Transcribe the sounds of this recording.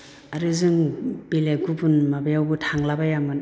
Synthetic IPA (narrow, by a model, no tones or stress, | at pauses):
aɾɯzɯŋbileɡubunmabajawbutʰaŋlabajamɯn